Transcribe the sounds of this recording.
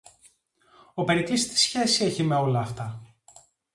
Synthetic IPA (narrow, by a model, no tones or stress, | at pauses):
o̞pe̞ɾit̪ist̪i̥sçe̞sie̞çime̞o̞lɐːft̪ɐ